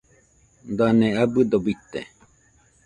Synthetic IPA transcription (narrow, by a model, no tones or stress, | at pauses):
nd̪anẽabɨd̪obit̪ḛ